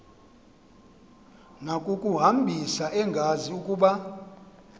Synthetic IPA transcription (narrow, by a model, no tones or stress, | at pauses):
nakʼukʼuɦambʱisaʔɛŋɡʱaziukʼuːɓa